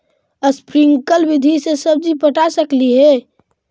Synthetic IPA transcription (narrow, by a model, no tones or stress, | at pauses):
əspɾiŋkəlbid̪ʱisesəb̚d͡ʒipəʈasəkliɦɛ